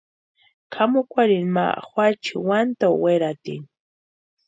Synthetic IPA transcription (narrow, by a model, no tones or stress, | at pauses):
kʰamʊkʷaɾɪnma̰xwat͡ʃiwant̪aweɾat̪ɪ̰n